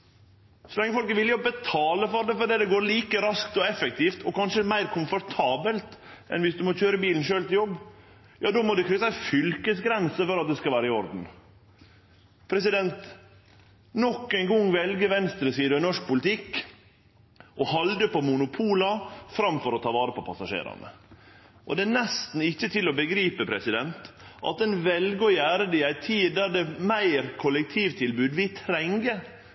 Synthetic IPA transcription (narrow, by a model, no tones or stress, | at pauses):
sɔlɛŋːəfɔlkəʋɪljɪɔbət̪ʰɑːləfɔɾd̪ɛfɔɾd̪ɛd̪ɛɡoːɾɭiːkəɾɑskt̪ɔɛfɛk̚t̪iːft̪ɔkɑnʂəmæɪɾkʰʊmfɔɾt̪ʰɑːbəlt̪ɛ̰nʋɪsd̪ʉmɔc͡çøːɾəbiːln̩ʃøːlt̪ɪljɔbː | jʔɑːd̪oːmɔd̪ɛkʰɾøːsæɪfʏlkəsɡɾɛnsəfɔɾɑt̪̚d̪ɛskɑʋæːɾəɪɔɾd̪n̩ | pʰɾɛsɪd̪ɛnt̪ | nɔkːæɪnɡɔŋːʋɛlɡəʋɛnst̪ɾəsiːd̪ənɔʂk̚pʊlt̪ʰɪkː | ʔɔhɑld̪əpɔmʊnʊpʰuːlɑfɾɑmfɔɾɔt̪ʰɑːʋɑːɾəpʰɔpʰɑsɑʂḛːɾɑ̰nə̰ | ʔɔ̰d̪ɛænɛst̪n̩ɪçːət̪ʰɪlɔbəɡɾiːpəpʰɾɛsɪd̪ɛnt̪ʔɑ̰t̪̚d̪ɛnʋɛlɡəɔjæːɾəd̪ɪæɪt̪ʰiːd̪̚d̪æɖ̪ɛmæɪɾkʰɔlək̚t̪ʰiːʋt̪ʰɪlbʉːd̪ʋɪt̪ʰɾɛŋɡə